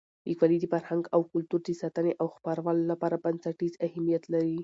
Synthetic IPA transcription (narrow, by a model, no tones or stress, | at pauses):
likwalid̪əfaɾhaŋɡawkʊlt̪uɾd̪əsɑt̪əneʔawxpaɾawalolapɑɾabansaʈizahamijat̪laɾi